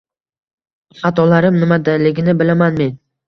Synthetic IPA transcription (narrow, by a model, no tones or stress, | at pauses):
χɑt̪ʰɒlaɾɪmnɪmad̪alɪɡʲɪnɪbɪlamanme̞n